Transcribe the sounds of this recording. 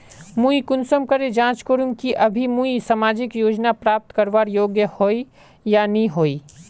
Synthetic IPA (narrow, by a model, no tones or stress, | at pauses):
mũikʊnsəmkəɾed͡ʒãːt͡ʃkoːɾʊ̃ŋkiʔɐbʱimũisəmaːd͡ʒɪkjoːd͡ʒnapɾaːp̚t̪kəɾʋaːɾjoːɡjəhoːi | janɐĩɦoːiː